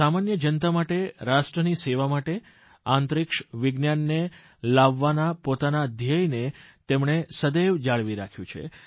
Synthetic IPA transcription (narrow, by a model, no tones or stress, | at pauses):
samanjəd͡ʒənt̪amaʈeɾaʃʈɾəniseʋamaʈe | ant̪ɾɪkʃʋɪɡnjanːe | laʋːanapot̪anad̪ʱjajnet̪emɳ̃esəd̪eʋd͡ʒaɭʋiɾakʰjũt͡ʃʰḛ